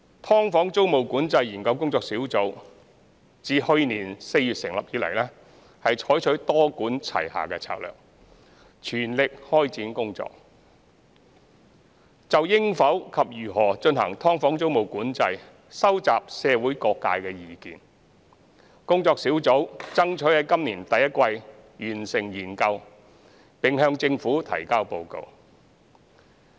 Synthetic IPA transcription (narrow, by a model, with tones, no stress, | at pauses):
t̪ʰɔː˥ŋfɔː˨˥ŋt͡so˥wmo˨˩wkuː˨˥nt͡sɐ˧jiː˨˩nkɐ˧wkʊ˥ŋt͡sɔː˧k̚siː˨˥wt͡so˨˥w | t͡siː˨˧hɵ˧ɥniː˨˩nse˧jyː˨t̚sɪ˨˩ŋlɐ˨p̚jiː˨˥lɐ̰˨˩jlɛ˥ | hɐ˨jt͡ʃʰɔː˨˥jt͡ʃʰɵ˨˥ɥt̪ɔː˥kuː˨˥nt͡sʰɐ̰˨˩jha̰ː˨kɛː˧t͡sʰa̰ː˧k̚lœ̰ː˨k̚ | t͡ʃʰyː˨˩nlɪ˨k̚hɔː˥jt͡siː˨˥nkʊ˥ŋt͡sɔ̰ː˧k̚ | t͡sɐ˨wjɪ˥ŋfɐ˨˥wkʰɐ˨p̚jyː˨˩ɦɔː˨˩t͡ʃɵ˧nhɐ̰˨˩ŋt̪ʰɔː˥ŋfɔː˨˥ŋt͡so˥wmo˨wkuː˨˥nt͡sɐ˧j | sɐ˥wt͡saː˨p̚sɛː˧wuː˨˥jkɔː˧kːa̰ː˧jkɛː˧jiː˨˩kiː˨n | kʊ˥ŋt͡sɔː˧k̚siː˨˥wt͡so˨˥wt͡sɐ˥ŋt͡ʃʰɵ˨˥hɐ˨˥jkɐ˥mliː˨˩nt̪ɐ˨jːɐ˥t̚kʷɐ˧j | jyː˨˩nsɪ˨˩ŋjiː˨˩nkɐ˧w | pɪ˨ŋɦœː˧ŋt͡sɪ˧ŋfuː˨˥t̪ʰɐ̰˨˩jkaː˥wpo˧wko̰˧w